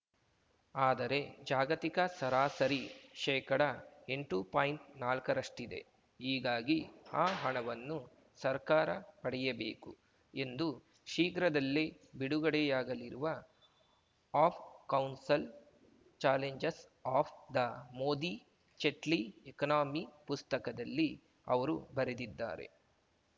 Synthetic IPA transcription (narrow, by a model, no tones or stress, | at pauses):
aːd̪ɐɾe̞d͡ʒaːɡɐt̪ikɐsɐɾaːsɐɾiʃɛːkɐɽɐe̞ɳʈupaːjiɳʈ̚naːlkɐɾɐʂʈid̪e̞̰ | ɦiːɡaːɡiaːɦɐɳɐʋɐnːu | sɐɾkaːɾɐpɐɽɛjɐbḛːku | e̞nd̪u | ʃiːɡɾɐd̪ɐlːi | biɽuɡɐɽɛjaːɡɐliɾuʋɐ | aːpʰkɐwnsɐl | t͡ʃaːleɲd͡ʒes | aːpʰd̪ɐmo̞ːd̪i | t͡ʃeʈliekɐnaːmipust̪ɐkɐd̪ɐlːi | ɐ̰ʋɐɾṵbɐɾed̪id̪ːa̰ːɾe̞̰